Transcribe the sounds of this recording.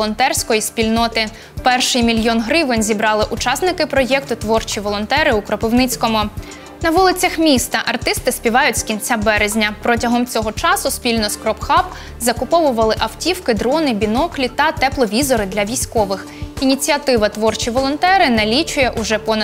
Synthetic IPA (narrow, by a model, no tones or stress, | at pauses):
lˠɔnt̪ɛrsʲkɔjisʲpʲilʲnɔt̪ɪ | pɛrʃɪjmʲilʲjɔnɦɾɪʋɪnʲzʲibɾɑlˠɪʔʊt͡ʃɑsnɪkɪpɾɔjɛkt̪ʊt̪ʋɔrt͡ʃiʋɔlˠɔnt̪ɛɾɪʊkɾɔpɪwnɪt͡sʲkɔmʊ | nɐʋulˠɪt͡sʲɐxmʲist̪ɐʔɐrt̪ɪst̪ɪsʲpʲiʋɑjʊtʲskʲinʲt͡sʲabɛɾezʲnʲɐpɾɔtʲɐɦɔmt͡sʲɔɦɔt͡ʃɑsʊspʲilʲnɔskɾɔpxɑp | zɐkʊpɔʋʊʋɐlˠɪʔɐwtʲiwkɪd̪ɾɔnɪbʲinɔklʲit̪ɐt̪ɛplˠɔʋʲizɔɾɪd̪lʲɐʋʲijsʲkɔʋɪx | inʲit͡sʲiɐt̪ɪʋɐt̪ʋɔrt͡ʃiʋɔlˠɔnt̪ɛɾɪnɐlʲit͡ʃʊjɛʔʊʒɛpɔnɐ